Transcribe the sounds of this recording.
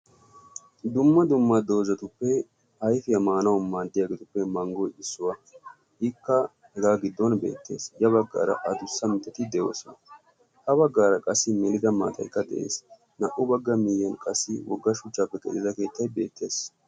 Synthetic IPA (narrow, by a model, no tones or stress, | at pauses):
d̪ʊmːɐd̪ʊmːɐd̪o̞ːzɐt̪ʊpːɛ | hɐjfɪjɐmaːnɐwʊmaːd̪ːɪjaːɡɛt̪ʊpːɛmɐŋɡɔjɪsːʊwɐ | ʔɪkːɐ | hɛɡ̪aːɡɪd̪ːɔnbe̞̰ːt̪ʰːe̞̰ːsjɐβɐɡːa̰ːɾɐ̰ʔɐd̪ʊsːɐmɪt̪ːɛt̪ɪd̪ɛjo̞̰ːsɔnɐ | hɐβɐɡːaːɾɐkʼɐsːɪmɛlɪd̪ɐma̰ːt̪ʰʼɐ̰jkːɐd̪ɛ̰ʔḛːs | nɐʔʊbɐɡːɐmɪjɛnkʼɐsːɪwɔ̰ɡːɐʃʊt͡ʃʼːaːpːɛkʼɛ̰lɪzɐke̞ːt̪ːɐjbeːt̪ːe̞ːs